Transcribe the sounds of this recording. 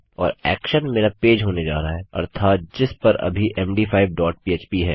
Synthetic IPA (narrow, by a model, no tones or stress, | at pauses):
ɔ̰ːɾɛ̰ːkʃənmeːɾapeːd͡ʒɦoːned͡ʒa̰ːɾaɦɛɔ̰ːɾt̪ʰaːt̪̚d͡ʒɪspɐɾɐ̰bʱiʔɛ̃ːmɖiːfʰaːɪbɖɔːʈ̚piːeːt͡ʃpiɦɛː